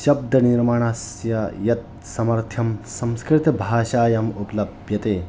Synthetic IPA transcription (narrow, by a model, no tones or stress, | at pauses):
ʃɐb̚d̪ʱɐniɾmaːɳasjɐjɐt̪̚ | sɐmɐɾt̪ʰjɐmsɐmskɾit̪ɐbʱaːʃaːjɐmupɐlɐbʱjɐt̪eː